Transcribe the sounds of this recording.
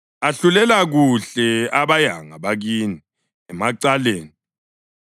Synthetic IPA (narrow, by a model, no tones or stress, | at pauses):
aɬulɛlaɣuɬɛaβaja̰ŋaβaɣiːni | ɛmaǀaleːni